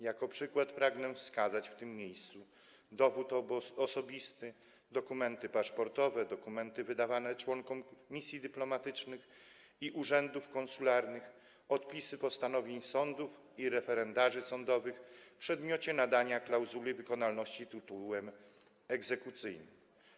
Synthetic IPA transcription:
jakɔpʂɘkwat̪pɾaɡnɛfskazat͡ɕft̪ɘmːjejst̪su | d̪ɔvut̪ɔsɔbʲist̪ɘ | d̪ɔkumɛnt̪ɘpaʂpɔɾt̪ɔvɛd̪ɔkumɛnt̪ɘvɘd̪avanɛt͡ʂwɔŋkɔmmʲisʲjid̪ɘplɔmat̪ɘt͡ʂnɘx | iʔuʐɛnd̪ufkɔ̃nsulaɾnɘx | ɔt̪pʲisɘpɔst̪anɔvʲjeɲsɔnd̪uf | iɾɛfɛɾɛnd̪aʐɘsɔnd̪ɔvɘxpʂɛd̪mʲjɔt͡ɕɛnad̪aɲaklawzulɘvɘkɔnalnɔɕt͡ɕit̪ɘt̪uwɛm | ɛɡzɛkut̪sɘjnɘm

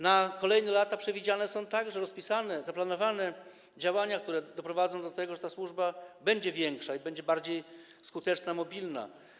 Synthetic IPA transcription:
nakɔlɛjnɛlat̪apʂɛvʲid͡ʑanɛsɔ̃w̃t̪aɡʐɛɾɔspʲisanɛzaplanɔvanɛ | d͡ʑawaɲak̚t̪uɾɛd̪ɔpɾɔvad̪zɔ̃w̃d̪ɔt̪ɛɡɔʐɛt̪aswuʐbabɛɲd͡ʑɛvʲjɛŋkʂaibɛɲd͡ʑɛbaɾd͡ʑej | skut̪ɛt͡ʂnamɔbʲilna̰

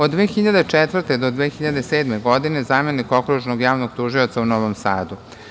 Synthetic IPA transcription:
od̪ːʋeːxiʎad̪et͡ʂɛt̪ʋr̩t̪ed̪o̞d̪ʋeːxiʎad̪e̞seːd̪meɡo̞d̪ine̞zameniko̞kɾuʒnoɡjaːʋnoɡ̥t̪uʒio̞t̪saunoʋomsaːd̪u

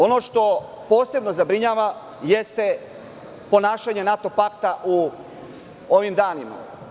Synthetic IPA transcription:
o̞no̞ʃt̪o̞ | poːse̞bno̞zabɾiɲaːʋa | jest̪e | po̞naːʃaɲe̞nat̪o̞pakt̪aʔu | oʋimd̪aːnima̰

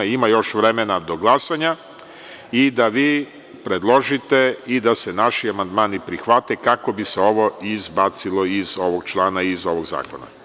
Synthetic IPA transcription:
imajo̞ʃʋɾemenad̪o̞ɡlˠasaɲa | id̪aʋiː | pɾed̪lˠo̞ʒit̪eid̪asenaʃiamand̪maːnipɾixʋat̪ekako̞biseo̞ʋo̞izbat̪silˠo̞izo̞ʋoɡ̚t͡ʃlˠaːnaizo̞ʋoɡza̰ːko̞na̰

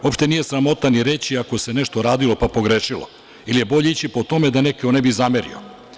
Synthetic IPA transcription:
opʃt̪e̞nije̞sɾamo̞t̪aniɾe̞t͡ɕiako̞se̞neʃt̪o̞ɾaːd̪ilo̞papo̞ɡɾeːʃilˠo̞̰ | ilije̞bo̞ʎe̞it͡ɕipo̞t̪o̞me̞d̪anekeonebizameɾḭo̰

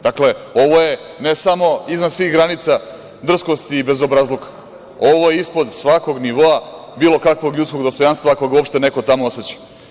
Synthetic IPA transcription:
d̪akle̞o̞ʋoje̞ | nesamo̞izmansʋixɡɾanit̪sa | d̪r̩sko̞st̪iːbe̞zo̞bɾazlˠokḁ | o̞ʋo̞jeispo̞d̪sʋako̞ɡniʋo̞a | biːlo̞kakʋo̞ɡlʎut̪ko̞ɡd̪o̞st̪ojanst̪ʋakoɡuopʃt̪e̞ne̞ko̞t̪amooset͡ɕi̥

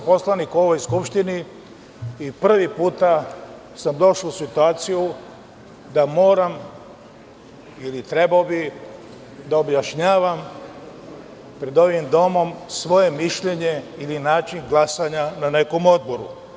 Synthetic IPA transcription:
po̞slanikuo̞ʋo̞jskupʃt̪iniː | pr̩ʋipuːt̪a | samd̪o̞ʃausit̪uaːt̪siju | d̪amo̞ːɾam | ilit̪ɾe̞baobi | d̪aobjaʃɲaːʋam | pɾe̞d̪o̞ʋimd̪o̞mo̞msʋo̞je̞miʃʎe̞ɲeilinaːt͡ʃiŋɡlˠasaɲanane̞ko̞mod̪̚bo̞ɾṵ

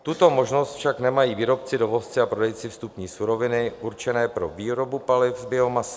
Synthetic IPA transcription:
t̪ut̪o̞mo̞ʒno̞st̪fʃaknɛmajiːviːɾo̞p̚t͡sɪdo̞vo̞st͡sɪapɾo̞dɛjt͡sɪfst̪upɲiːsuɾo̞vɪnɪʔuɾt͡ʃɛnɛːpɾo̞viːɾo̞bupalɪfzbjɪo̞masɪ̥

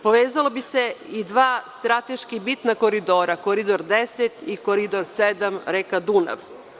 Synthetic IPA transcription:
poʋeːzalˠobiseid̪ʋaːst̪ɾat̪eʃkibit̪nakoɾid̪o̞ːɾakoɾid̪oɾd̪eset̪ikoɾid̪oɾsed̪amɾekad̪una̰ʋ

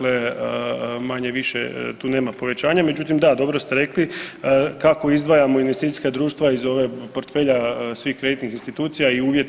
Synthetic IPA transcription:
le | maɲeʋiʃḛt̪uːne̞ːmapo̞ʋe̞t͡ɕaːɲamed͡ʑut̪imd̪ad̪o̞bɾost̪e̞ɾe̞kli | kako̞izd̪ʋaːjamo̞inʋest̪it̪i̥skad̪ɾuːʃt̪ʋaizo̞ʋeːpoɾt̪fe̞ːʎasʋiːxkɾe̞d̪it̪nixinst̪it̪uːt̪sijaiuːʋjet̪

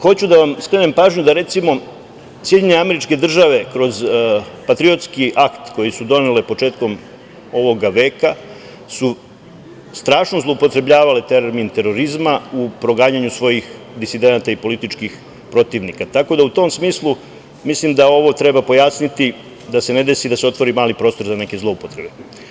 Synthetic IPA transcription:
xo̞t͡ɕud̪aʋamsklˠene̞mpaːʒɲud̪aɾe̞t̪simo̞ | sjeɲeneameɾit͡ʃke̞d̪r̩ʒaʋe̞kɾo̞zpat̪ɾio̞t̪skiʔakt̪ko̞jesud̪o̞nelepo̞t͡ʃe̞ːt̪ko̞m | o̞ʋo̞ɡaʋe̞ːka | su | st̪ɾaːʃnozlˠoupo̞t̪ɾe̞bʎʲaːʋalet̪eɾoɾmint̪e̞ɾo̞ɾizmaupɾo̞ɡaːɲaɲusʋo̞jix | d̪isid̪e̞nat̪aipo̞lit̪it͡ʃkix | pɾo̞t̪iːʋnikat̪ako̞d̪aut̪o̞ːmsmiːslˠu | mislimd̪ao̞ʋo̞t̪ɾe̞bapo̞jasnit̪i | d̪ase̞ne̞d̪e̞sid̪aseo̞t̪ʋo̞ɾimaːlipɾo̞st̪o̞ɾzane̞ke̞zlˠo̞upot̪ɾe̞be̞

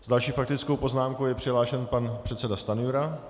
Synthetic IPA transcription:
zdalʃiːfak̚t̪ɪt͡skowpo̞znaːmkowjɛpr̥ɪɦlaːʃɛnpanpr̥ɛt̪t͡sɛdast̪anjuɾa

